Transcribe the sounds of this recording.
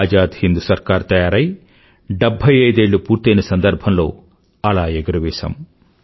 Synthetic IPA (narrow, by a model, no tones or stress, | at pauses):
d͡ʒaːd̪hind̪usɐɾkaːɾt̪ɐjaːɾɐj | ɖebʱɐjɐjd̪eːɭːupuːɾt̪ɐjnɐsɐnd̪ɐɾbʱɐmlo̞ː | ɐlaːeɡɐɾɐʋɛːsɐ̰m